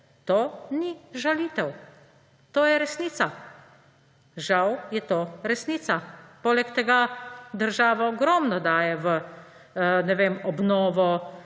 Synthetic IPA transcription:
t̪oːniʒaliːt̪ɛw | t̪oːjɛɾɛsniːt̪sa | ʒawjɛt̪oːɾɛsniːt̪sapoːlɛkt̪ɛɡad̪əɾʒaːʋaɔɡɾɔːmnɔd̪aːjɛʋə | nɛʋemɔbnɔːʋɔ

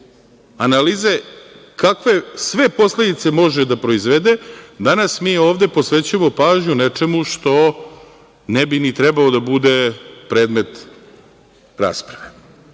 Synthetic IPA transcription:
analiːze̞ | kakʋe̞sʋe̞po̞sle̞d̪it̪se̞mo̞ʒed̪apɾo̞izʋed̪e̞d̪anasmio̞ːʋd̪e̞po̞sʋe̞t͡ɕuemopaːʒɲunet͡ʃe̞muʃt̪o̞ | nebinit̪ɾɛbalod̪abud̪e̞pɾe̞ːd̪me̞t̪ | ɾa̰ːspɾaʋe

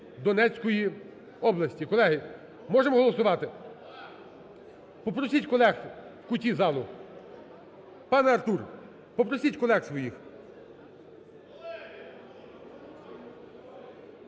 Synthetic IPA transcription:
d̪ɔnɛt͡sʲkɔji | ɔblˠɐsʲtʲikɔlˠɛɦɪ | mɔʒemɔɦɔlˠɔsʊʋɑt̪ɪ | pɔpɾɔsʲitʲkɔlˠɛxkʊtʲizɑlˠʊ | pɑnɐrt̪ur | pɔpɾɔsʲitʲkɔlˠɛxsʋɔjix

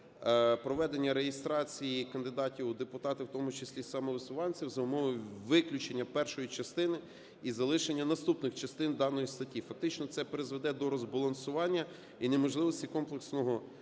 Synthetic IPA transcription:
pɾɔʋɛd̪e̞nʲːɐɾejɪst̪ɾɑt͡sʲijikɐnd̪ɪd̪ɑtʲiwd̪epʊt̪ɑt̪ɪwt̪ɔmʊt͡ʃesʲlʲisɐmɔʋɪsʊʋɑnʲt͡sʲiwzɐʊmɔʋɔjʋɪklʲut͡ʃenʲːɐpɛrʃɔjit͡ʃɐst̪ɪnɪ | izɐlˠɪʃenʲːɐnɐst̪upnɪxt͡ʃɐst̪ɪnd̪ɑnɔjist̪ɐtʲːifɐk̚t̪ɪt͡ʃnɔt̪sɛpeɾɪzʋed̪ɛd̪ɔɾɔzbɐlˠɐnsʊʋɑnʲːɐ | inemɔʒlˠɪʋɔsʲtʲikɔmplˠeksnɔɦɔ

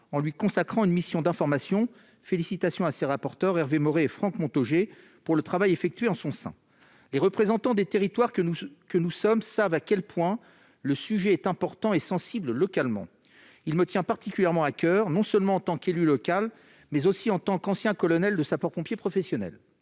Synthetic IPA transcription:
ɑ̃lɥikɔ̃sakχɑ̃ynmisjɔ̃d̪ɛ̃fɔʁmasjɔ̃ | felisit̪asjɔ̃aseʁapɔʁt̪œʁɛʁvemɔʁeːfχɑ̃kmɔ̃t̪ɔʒe | puʁlət̪χavajefɛk̚t̪ɥeɑ̃sɔ̃sɛ̰̃ | leʁəpχezɑ̃t̪ɑ̃d̪et̪eʁit̪waʁkənusɔmsavakʲɛlpwɛ̃ | ləsyʒɛːt̪ɛ̃pɔʁt̪ɑ̃esɑ̃sibləlɔkalmɑ̰̃ | ilmət̪jɛ̃paʁt̪ikʲyljɛʁmɑ̃akʲœʁnɔ̃sœlmɑ̃ɑ̃t̪ɑ̃kelylɔkʲal | mɛzosiɑ̃t̪ɑ̃kɑ̃sjɛ̃kɔlɔnɛld̪əsapɔʁpɔ̃pjepχɔfɛsjɔnɛ̰l

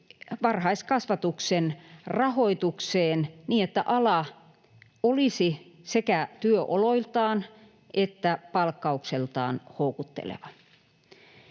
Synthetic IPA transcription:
ʋɑrhɑiskɑsʋɑt̪uksenrɑhoit̪ukseːnniːet̪ːæʔɑlɑ | olisisekæt̪yøʔoloilt̪ɑːn | ʔet̪ːæpɑlkːɑukselt̪ɑ̰ːnhoukut̪ːḛlḛʋɑ

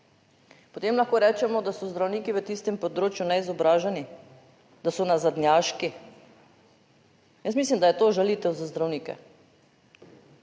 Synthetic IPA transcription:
pot̪eːmlaxkoːɾɛːt͡ʃɛmɔd̪asɔzd̪ɾawniːkiʋət̪ist̪ɛmpɔd̪ɾoːt͡ʃjunɛizɔbɾaːʒɛni | d̪̥asɔnazad̪njaːʃki | jəsmiːslimd̪ajɛt̪oːʒalit̪ɛwzazd̪ɾawniːkɛ̰

